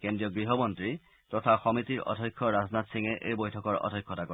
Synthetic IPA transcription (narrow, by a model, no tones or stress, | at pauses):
kendɹiɔɡɹiɦɔmɔntɹi | t̪ɔt̪ʰaxɔmit̪iɹɔ̰dʱɔjkʰːɔɹaznat̪siŋeʔejbojtʰɔkɔɹɔ̰dʱɔjkʰːɔtakɔ